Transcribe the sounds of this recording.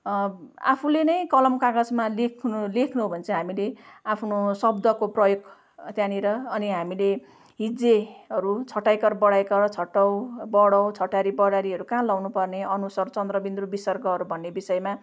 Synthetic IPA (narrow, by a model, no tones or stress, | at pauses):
a̰pʰulenʌjkʌlʌmkaɡʌsmalekʰnulekʰnuɦbʱʌnt͡sʰʌ̃ɦamileapʰnosʌbd̪ʌkoprʌjoɡ | t̪jãniɾʌːniɦamile | ɦid͡zeɦʌɾut͡sʰʌʈːajkʌrbʌɽajkʌɾt͡sʰʌʈʌwbʌɽʌwt͡sʰʌʈaɾibʌɽaɾiɦʌɾukãlʌwnupʌrneʌnusʌrt͡sʌnd̪rʌbind̪rubisʌrɡʌɦʌɾubʱʌnːebisʌjma